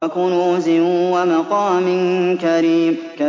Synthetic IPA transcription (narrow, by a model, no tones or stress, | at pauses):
akuːnʊzɪwamaqɑːmɪnkaɾiːm | ka